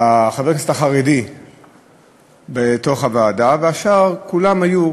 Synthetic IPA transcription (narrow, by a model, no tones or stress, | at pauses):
aχavekastaχaʁedi | beto̞χavaːdaveaʃaʁkulamhaju